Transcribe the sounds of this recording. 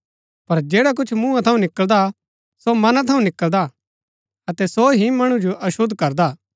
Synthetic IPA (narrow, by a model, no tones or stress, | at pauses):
pɐɾd͡ʒeːɽak̬ʊt͡ʃʰmũːãt̪ʰɐũnɪkəld̪a | somɐnãt̪ʰɐũnɪkəld̪a | ɐt̪ɛsoɦimɐɽ̃ũd͡ʒoʔɐʃʊd̪ʱkɐɾd̪aː